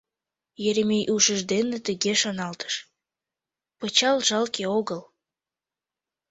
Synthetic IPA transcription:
jeɾemejʔuʃəʒd̪enet̪əɣeʃonɑlt̪ə̥ʃ | pət͡ɕɑlʒɑlkeoɣəl

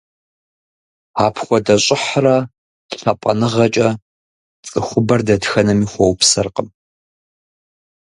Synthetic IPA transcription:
aːpʰxʷɔdɐɕʼɪħrɐ | ɬɐpʼɐnɨʁɐt͡ʃʼɐ | t͡sʼɨxʷʊbɐrdɐtxɐnɐmiːxʷɔwpsɐrqəm

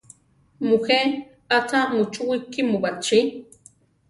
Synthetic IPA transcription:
muxe | at͡sʰamut͡ʃuwikimubat͡ʃi

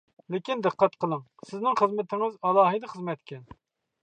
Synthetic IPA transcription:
lɪkʲind̪ɨqʰːɑt̪qʰəlˠəŋ | sɪznɪŋχəzmɪt̪ʰɪŋɪzɑlˠɑːɦɨd̪ɨχəzmɛt̪kʲʰɛn

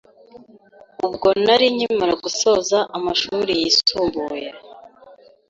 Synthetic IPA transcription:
ubɡo̞naɾiɲimaɾaɡuso̞zaʔamaʃuɾijisuːmbuːje

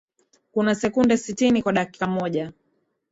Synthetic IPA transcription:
kunasɛkundɛsitinikwaɗaki̥kamɔʄa

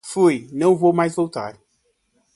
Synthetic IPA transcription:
fujnɐ̃w̃vowmajzvowt̪a̰ɾ

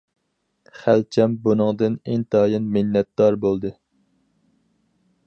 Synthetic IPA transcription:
χælt͡ʃʰɛmbunɨŋd̪ɨneŋt̪ʰɑːjɨnmɪnːɛt̪̚d̪ɑɾbolˠd̪ɨ

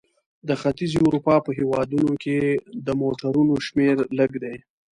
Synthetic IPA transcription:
d̪əxat̪izuɾupɑpəɦewɑd̪unokʰed̪əmoʈaɾunoʃmeɾləɡd̪ej

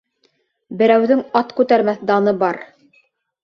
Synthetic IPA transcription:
bɘ̆ɾæwðɘŋɑt̪kʉt̪æɾmæθd̪ɑnɤbɑɾ

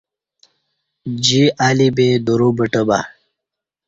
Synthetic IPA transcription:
d͡ʑiʔaːlibed̪uɾubəʈəba̰

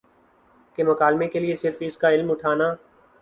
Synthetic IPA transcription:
kemɐkaːlmekeliesɪɾfɪskaɪlmʊʈʰaːnaː

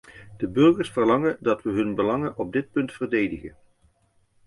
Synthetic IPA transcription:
d̥əbɵrɣəɹsfərlɑŋəndɑtʋəɦɵnbəlɑŋənʔɔb̚dɪt̚pɵntfərdejdəχən

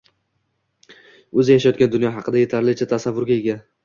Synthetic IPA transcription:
ɵzɪjaʃajɒt̪̚kʲand̪ʊnjɒɦɑqʰɨd̪aje̞t̪ʰaɾɪlɪt͡ʃʰat̪ʰasavːʊɾɡʲaeɡʲa

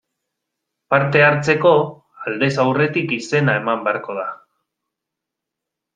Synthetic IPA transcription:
paɾt̪e̞aɾt͡se̞ko̞ | ald̪e̞sawre̞t̪ikise̞nae̞mambe̞aɾko̞ð̞a

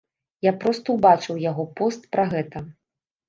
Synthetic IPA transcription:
japɾɔst̪ɐwbat͡ʂɨwjaɣɔpɔst̪pɾaɣɛt̪ɐ

